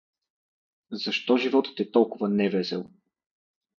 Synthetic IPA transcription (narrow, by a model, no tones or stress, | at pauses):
zɐʃt̪ɔʒivɔt̪ə̥t̪ɛt̪ɔlˠkʊvənɛvɛsɛlˠ